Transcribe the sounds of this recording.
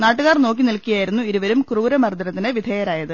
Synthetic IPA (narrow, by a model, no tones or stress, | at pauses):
naːʈːuɣaːrno̞ːk̬ːinilkːijaːjiɾunːuiɾuʋɐɾumkruːɾɐmɐrd̪ɐɾɐt̪ːinɨʋid̪ʱeːjɐɾaːjɐðɨ